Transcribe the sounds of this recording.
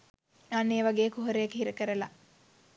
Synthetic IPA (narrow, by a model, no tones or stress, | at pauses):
anːeːʋaɡeːkuɦɐɾejɐkɦiɾəkəɾəla